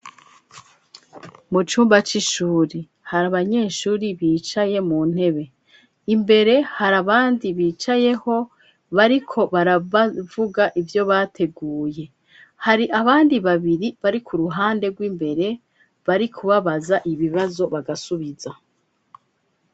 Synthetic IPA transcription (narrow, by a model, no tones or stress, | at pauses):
mut͡ʃuːmbat͡ʃiʃuːɾi | haɾaβaɲe̞ːʃuːɾiβiːt͡ʃaje̞muːn̥he̞βe̞ | imbe̞ɾe̞haɾaβaːndiβiːt͡ʃajeho̞ | βaɾikʰo̞βaɾavuɡaʔivjo̞βaːtʰe̞ɡuːje̞ | haɾiʔaβaːndiβaβiɾiβaɾikʰuɾuɦaːnde̞ɡwimbe̞ɾe̞ | βaɾikʰuβaβazaʔiβiβazo̞βaɡasuβiza